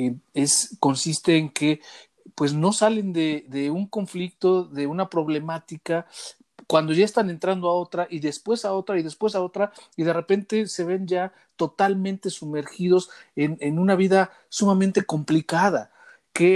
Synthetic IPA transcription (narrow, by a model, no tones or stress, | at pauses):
eesko̞nsist̪e̞ːŋke̞ | pwe̞szno̞sale̞nd̪e̞ðeuŋko̞ɱflik̚t̪o̞ðe̞unapɾo̞βle̞mat̪ika | kwand̪o̞ʝaest̪ane̞nt̪ɾand̪oao̞t̪ɾaʔiðe̞spwe̞sao̞t̪ɾaiðe̞spwe̞s̬ao̞t̪ɾaiðe̞re̞pe̞nt̪e̞se̞βe̞nʝa | t̪o̞t̪almẽ̞nt̪e̞sume̞ɾxiðo̞senenũnaβiða | sumamẽnt̪e̞ko̞mplikaða | ke